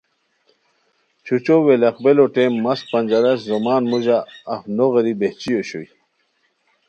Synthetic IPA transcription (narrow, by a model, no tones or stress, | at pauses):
t͡ɕʰut͡ɕoweleqbeloʈemːɐs̚pɐnʲd͡ʑaɾɐszomaːnmuʑaːfnoʁeɾibeht͡ɕijoɕo̰j